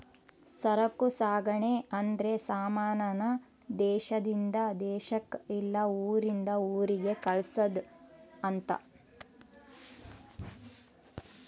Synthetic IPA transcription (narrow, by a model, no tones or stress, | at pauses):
sɐɾɐkːusaːɡɐɳeɐnd̪ɾe̞saːmaːnɐnɐ | d̪ɛːʃɐd̪ind̪ɐd̪ɛːʃɐkilːɐuːɾind̪ɐuːɾiɡe̞kɐɭsɐd̪ɐnt̪ɐ̰